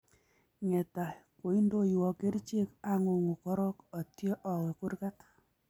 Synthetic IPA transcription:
ŋɛ˨ta˨ko˨i˦ndo˦jwɔ˨ke˦ɾt͡ʃe˦ka˦ŋo˨ŋo˨kɔ˦ɾɔ˦kɔ˨tjɔ˦ʔɔ˨we˨ku˦ɾka˦t

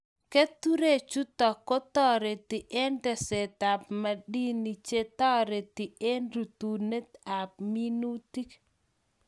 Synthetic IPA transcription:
ke˦t̪u˦ɾe˦˨t͡ʃu˦t̪ɔ˨kːo˦t̪ɔ˦ɾe˨t̪i˨ʔe˦ndɛ˨se˨t̪a˨pma˨di˦ni˨t͡ʃe˦t̪ɔ˦ɾe˨t̪i˨ʔe˦ndu˨t̪u˨ne˦t̪a˨p̚mi˦nu˦t̪i˦k

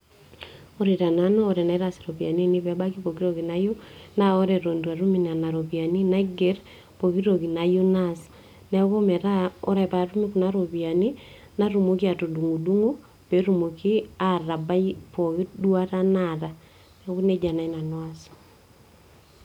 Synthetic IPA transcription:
o˦ɾe˨ɾa˨na˦nɔː˦ɾɛ˨na˨i˦ɾa˨si̥ɾo˨βja˨ni˦ni˦βɛ˨˦ba˦ki˦βo˨ki˦ɾoɣi˨na˦ju˦na˦o˦ɾɛ˨ɾo˨ndwa˨ɾu˦mi˨na˨na˨ɾo˨βi˨a˨ni˦na˨ɡɛ˦ɾ | po˨ɣi˦ɾo˨ɣi˨na˨ju˦na˦s | na˨βo˦mɛ˨ɾa˦ɔ˦ɾɛpa˨ɾu˦mi˦ku˨na˦ɾo˨βi˨a˨ni˦ | na˦ɾu˨mu˦ki˦a˨to˨du˨ŋu˨du˦ŋu˦ | βe˨ɾu˨mo˨ki˦a˦ɾa˨ba˦ipo˨ɣidwa˦ɾa˦naɾa˨ | neɣu˦ne˦d͡ʒa˨na˨i˦na˨nwa˨s

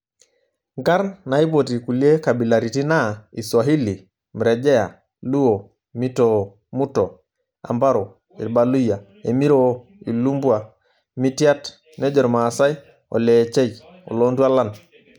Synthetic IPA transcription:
ŋɡa˦ɾnna˨˦i˦po˨ti˨ku˨li˦e˦ka˨bi˨la˨ɾi˨ti˦na˦i˨sa˨ɦi˦li˨ | mɾe˨d͡ʒe˦ja̰˨ | lu˦o˨ | mi˦to | mu˦to˨ | a̰˨mba˦ɾo˨ | i˨ɾba˨lu˦ja˨ | e˨mi˦ɾo˦ | i˨lu˦mbu˦a˨ | mi˦ti˦a˦t | ne˦d͡ʒɔ˨ɾma˨sa˦j | o̰˨leː˨t͡ʃe˦j | o̰˨lo˦ntu˦a˦la˦˨n

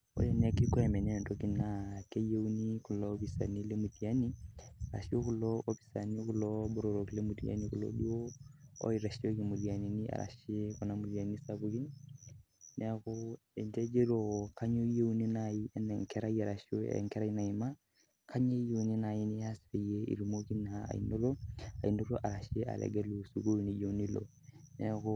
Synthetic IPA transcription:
o̰˦lɛ˦nɛ˦ki˦kɔ˦ɛ˨mɛ˨nɛ˦˨ndo˦ki˦na˨ke˦je˦wni˦ku˨lɔ˦bi˨sa˨ni˦le˦mu˨di˨a˦ni˦aɾa̰˨ʃi˦o˦ku˦lɔ˦o˦bi̥˨sa˨ni˦ku˨lɔ˦bo˦ɾo˨ɾo˨kle˦mu˨dḭ˨a̰˦ni˦ku˨lo̰˦ɗu˦o˦ɔ̰˦i˨ɾa˨ʃi˦o˦ki˨mu˨di˨a˨ni˨ni˦a̰˨ɾa̰˨ʃi˦kɔ˨na˦mu˨di˨a˨ni˦sa˦bu˦ki˦ | nɛ˦ko˦ | ɛ˨nd͡ʒɛ˦d͡ʒe˦lo˨ka˦ɲo˦je˦wni˦na˨ji˦ɛ˦nɛ˨ŋkɛ˦ɾa˦jia˨ɾa˨ʃo˦ɛ̰˨ŋkɛ˦ɾa˦na˨i˨ma˦ | kʰa˦ɲe˦je˨wni˦na˨ji˦ni˦ja˦si˨ɾe˨je˦ḭ˨ɾu˨mo˦ɡi˦na˨a̰˨ḭ˨no˦lo˦a̰˨i˨no˦lo˦ʔa˨ɾa˨ʃi˦a̰˨lɛ̰˨ɡɛ˦lu˨su˨ɡo˦˨ni˨jo˦u˦ni˦lo̰˨ | nɛ˦ku˦

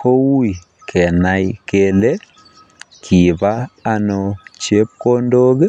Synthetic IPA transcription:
ko˦u˦i˨ | kʰɛ˨naikele˦ | kʰi˨βa˦anɔt͡ʃe˦p̚ko˦ndo˦ɣe˦

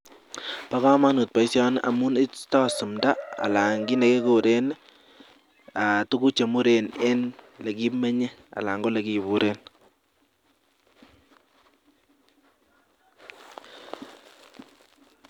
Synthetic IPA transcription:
pa˦ka˦ma˦nu˨t̚pa˨i˦sjɔ˦nʔa̰˨mu˦nɪ˦tɔ˦su˨mda˦a̰˨la˨ŋɡi˦ne˨ke˦ku˨ɾe˦n | a˨tu˦ku˦t͡ʃe˨mu˦ɾe˨ne˦nle˨ki˦pme˦ɲe˦a̰˨la˨ŋɡo˦le˨ki˨βu˨ɾʔe˦n

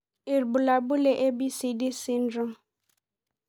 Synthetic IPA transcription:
ɪ˨ɾbu˨la˨bu˦le˦ʔe˦bi˦si˨di˦si˦n̩˦dɔ̃˦

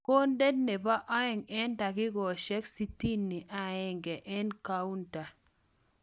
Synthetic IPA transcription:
ko˦nde˦dne˨ba˦ʔɔ˦ɪ˨ŋɛ˦nda˨kɪ˦ɡɔ˨ʃɛ˦ksi˦ti˦nːi˨ʔa˨ɪ˦˨ŋɡɛ˨ʔɛ˦nka˦u˦nta˨

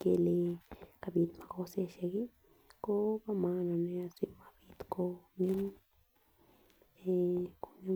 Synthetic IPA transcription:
ke˧le˧ka˧bi˧t̪ma˨ko˦se˧ʃe˧ɡi˦ | ko˦ba˦mã˧nã˧nẽ˧a˧swi˧˦ma˧bi˧t̪ko˧ɲu˦m | e˧ko˧˨ɲu˦

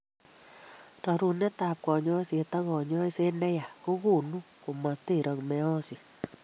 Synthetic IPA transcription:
tɔ˨ɾu˨nɛ˦ta˨p̚kɔ˨ɲɔ˦sie˨ta˦ɣɔ˨ɲɔ˦i˦se˦nɛ˦ja˨ko˦ɣu˦˨nu˦ | ko˨ma˨te˦˨ɾɔ˨ŋmɛ˦ɔ˦si˨

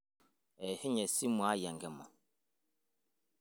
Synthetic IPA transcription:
ɛ˨hɪ˦ɲɛ˨si˦mu˨a˦jɛ˨ŋɡɛ˦mɔ˨

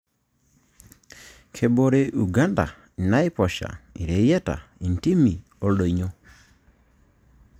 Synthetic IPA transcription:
kʰe˨bo˨ɾe˨ʔu˨ɡa˦nda̰˨ | i˨na˦i˦pɔ˨ʃa̰˨ḭ˨ɾe˨˦jɛ˦ta̰˨i˨n˨ti˦mi˨ | ɔ˦lo˨i˨ɲo˦

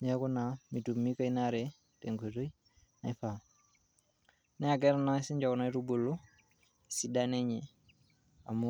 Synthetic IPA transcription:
ɲe˦ku˦na˨mi˨tu˨mi˦ka˦i˦na˦ɾe˨ | te˨ŋɡe˨to˦i˦ | na˨i˦fa˨ | nɛ˦a˨ɡɛ˦ɾa˦na˦si˦ɲd͡ʒa˨ku˨na˦i˦ɾu˦bo˨lo˦ | si˨da˦ne˦ɲɛ˨ | a̰˨mu˦

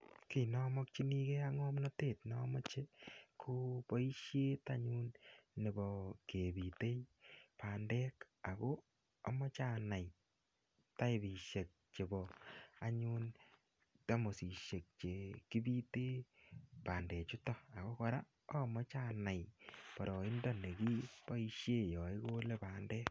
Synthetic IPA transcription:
ki˨nɔ˦mɔ˦k̚t͡ʃi˦ni˦ke˦a˦ŋɔ˦mnɔ˦teː˦˨tnɔmɔ˦t͡ʃe˦kʰo˦pɔ˦i˦ʃje˦taɲu˦nːe˨bɔ˨ke˨bi˨te˦jpa˨ndɛ˦k | a˨ko˦ | a˨mɔ˦t͡ʃa˦˨na˨j | ta˦e˨bi˨ʃe˨k̚t͡ʃe˨bɔ˨a˨ɲu˦n | ta˦mo˨si˨ʃe˨k̚t͡ʃe˨ki˦bi˦te˦pa˨ndɛ˨t͡ʃu˦tɔ˦a˨ko˦kɔ˧ɾa˦ | ɔ˦mɔ˦t͡ʃa˦na˨jpɔ˨ɾɔ˨ɪ˦ndɔ˦ne˨ki˦pɔ˦i˦ʃje˦jɔ˨i˦ko˦le˦pa˨ndɛː˦k̚

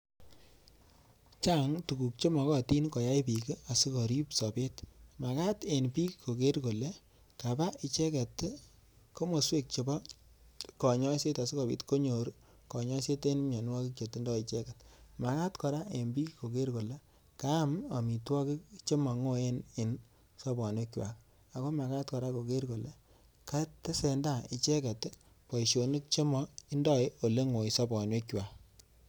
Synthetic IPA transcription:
t͡ʃa˦ŋtu˨ku˨k̚t͡ʃo˦mɔ˨kɔ˦ti˦nkɔ˨ja˦jpi˨ki˦a˨si˦kɔ˨ɾi˦psɔ˨pe˦tma˨ka˦te˨npi˦kiko˨ke˦ɾko˨le˦ | ka˨ba˦i˨t͡ʃɛ˦ka˨t | ko˦mo˨swe˦k̚t͡ʃo˨bɔ˦ | kɔ˨ɲɔ˦se˦ta˨si˦kɔ˨pḭ˨tko˦ɲo˨ɾ | kɔ˨ɲɔ˦se˦te˦nme˨nwɔ˦ki˦k̚t͡ʃo˨ti˦ndɔ˦i˨t͡ʃɛ˦ka˨tma˨ka˦tkɔ˨ɾa˦e˨mbi˦ko˨ke˦ɾko˨le˦ | ka˦ma˨mi˨twɔ˦ki˦kt͡ʃe˦mɔ˨ŋo˦e˦nɪ˨n | sɔ˦bɔ˨ne˦kjwa̰˨k | a˨ko˦ma˨ka˦t̚kɔ˨ɾa˦ko˨ke˦ɾko˨le˦ | ka˦te˦sɛ˨nda˨ɪ˨t͡ʃe˦kɛ˨t | pɔ˨i˨ʃo˨ni˦k̚t͡ʃe˦mɔ˨i˦ndɔ˦o˨le˦ŋo˨i˨sɔ˦bɔ˨ne˦kjwa˨

